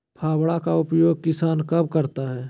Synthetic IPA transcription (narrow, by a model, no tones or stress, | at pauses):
pʰaːwɽakaʊpjoːɡ̚kɪsaːnkɐb̚kɐɾt̪aɦɛː